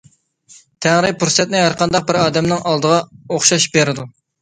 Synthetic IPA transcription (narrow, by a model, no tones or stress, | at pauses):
t̪ʰæŋɾɪpuɾsɛt̪̚nɪɦæɾqʰɑnd̪ɑq̚bɪɾɑːd̪ɛmnɪŋʔɑlˠd̪əʁɑoχʃɑʃbeɾɪd̪u